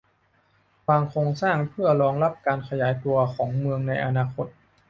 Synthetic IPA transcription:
waː˧ŋkʰɾoː˧ŋsaː˥˩ŋpʰɯ˥˩ɐlɔː˧ŋla˦˥p̚kaː˧nkʰa˧jaː˩˦jt̪u˧ɐkʰɔː˩˦ŋmɯ˧əŋna˧jʔa˧naː˧kʰo˦˥t̪̚

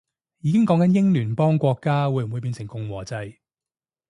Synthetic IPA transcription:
jiː˨˧kɪ˥ŋkɔ˨˥ŋkɐ˨˦njɪ˥ŋlyː˨˩npɔː˥ŋkʷɔː˧kːaː˥wu˨jwuː˨˧jpiː˧nsʰɪ˨˩ŋkʊ˧ŋwɔː˨˩t͡sɐ˧j

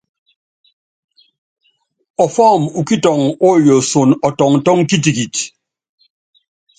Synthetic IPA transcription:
ɔ˨fɔ˦˨mu˨ki˦tɔ˨ŋo˦˨jo˨so˨nɔ˨tɔ˨ŋ̩˨tɔ˦ŋ̩˦ki˦t̬i˨ki˨t

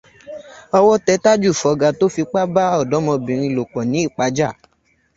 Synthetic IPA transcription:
ɔ˧wɔ˦tɛ˧˦ta˦d͡ʒu˦˨fɔ˨ɡa˨to˦fi˧k͡pa˦ba˦ɔ˦˨dɔ˨˦mɔ̃˧bĩ˨ɾ̃ĩ˧lo˨k͡pɔ˨nĩ˨˦i˦˨k͡pa˧˦d͡ʒa˦˨

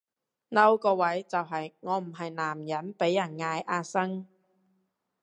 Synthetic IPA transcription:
nɐ˥˧wkɔː˧wɐ˨˥jt͡sɐ˨wɦɐ˨˩jŋɔː˨˧m̩˨˩ɦɐ˨jnaː˨˩mjɐ˨˥npe˨˥jːɐ˨˩nŋaː˧jʔaː˧sɐ˥ŋ

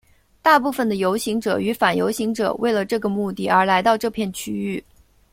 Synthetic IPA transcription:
t̪a˥˧pu˥˩fə˩nd̪ə˩jo˧˥ʊɕi˧˥ŋʈ͡ʂɤ˨˩y˧˥fa˨˩njo̰˧˥ʊɕi˧˥ŋʈ͡ʂɤ̰˨˩we˥˩ɪlə˩ʈ͡ʂɤ˥˩ɡə˩mu˥˧t̪i˥˩ə˞˧˥la˧˥ɪt̪ɑ˥˧ʊʈ͡ʂɤ˥˧pʰjɛ˥˧nt͡ɕʰy˥y˥˩

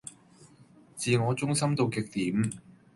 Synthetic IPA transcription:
t͡siː˨˧ŋɔː˨˧t͡sʊ˥ŋsɐ˥mt̪o˧wkɪ˨k̚t̪iː˨˥m

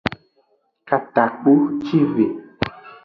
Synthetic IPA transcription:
ka˨t̪a˨k͡pu˦t͡ʃi˦ve˨

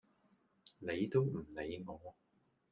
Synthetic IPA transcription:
ne˨˧jt̪o˥wm̩˨˩le˨˧jŋɔː˨˧

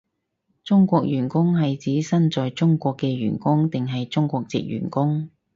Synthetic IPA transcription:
t͡sʊ˥ŋkʷɔː˧k̚jyː˨˩nkʊ˥ŋɦɐ˨jt͡siː˨˥sɐ˥nt͡sɔː˨jt͡sʊ˥ŋkʷɔː˧kːɛː˧ɥy̰ː˨˩nkʊ˥ŋt̪ɪ˨ŋɦɐ˨jt͡sʊ˥ŋkʷɔː˧k̚t͡sɪ̰˨k̚jy̰ː˨˩nkʊ˥ŋ

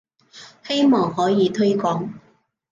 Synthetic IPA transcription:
he˥jmɔː˨˩ŋhɔː˨˥jiː˨˧t̪ʰɵ˥ɥkɔː˨˥ŋ

